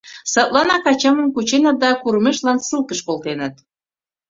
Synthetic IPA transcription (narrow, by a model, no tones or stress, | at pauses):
sɤt̪lɑnɑkɑt͡ɕɑmə̆nkut͡ɕenə̆t̪̚d̪ɑkuɾmeʃlɑnsɨlkəʃkolt̪enə̆t̪̚